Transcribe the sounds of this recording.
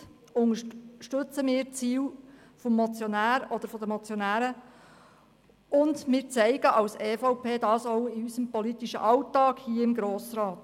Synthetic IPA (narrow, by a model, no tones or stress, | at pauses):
ʊŋəʃtɵt͡səmɪːɾt͡siːw | fɔmːɔt͡sjɔnæːɾɔd̥̪əɾfɔd̪əmɔt͡sjonæːɾə | ʊndmɪːɾt͡sɛɪɡəʔɑwseːfɔʊpeːd̥ɑːsɔwɪysəmpɔlit̪iʃə̰ʔɑwtɑːɡ̥hiːəɪmɡɾoːsɾɑːt̪